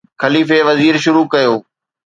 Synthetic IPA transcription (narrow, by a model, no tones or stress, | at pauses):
xɐliːfeʋɐziːɾʃʊɾukɐjoː